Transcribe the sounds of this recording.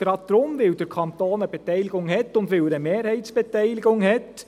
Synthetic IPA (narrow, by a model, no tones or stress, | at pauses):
ɾɑt̪ɾomʋɪld̪ɛɾkʰɑnt̪oːnəbɛt̪æɪlɪɡʊŋhɛt̪ːʊnt̪ʋɪld̪əmeːɾhɛɪt̪sb̥ɛt̪æɪlɪɡʊŋhɛt̪